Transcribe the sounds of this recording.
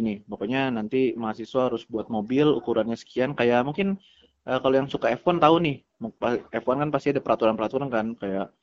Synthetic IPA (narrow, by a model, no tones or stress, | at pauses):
nɪpokoɲanant̪imaɦasiswaaɾʊsbuat̪̚mobɪlṵkuɾanɲasə̥kiankajaʔmuŋkɪn | ʔəːkalojaŋsukaefɔnt̪aunɪh | mpaefɔnkanpast̪iadapəɾat̪uɾanpəɾat̪uɾankankajaʔ